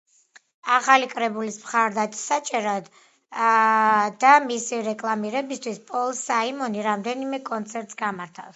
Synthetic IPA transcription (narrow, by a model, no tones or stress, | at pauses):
aχalikʼɾɛbulismχaɾd̪at̪ʼi̥sat͡ʃʼɛɾad̪ | d̪amisiɾɛkʼlˠamiɾɛbist̪ʰwispʼɔlˠsaimɔniɾamd̪ɛnimɛkʼɔnt̪sʰɛɾt̪ʼsɡamaɾt̪ʰafs